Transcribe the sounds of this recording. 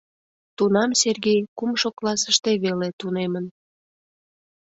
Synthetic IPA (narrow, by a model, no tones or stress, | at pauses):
t̪unɑmserɣejkumʃoklɑsəʃt̪eβelet̪unemən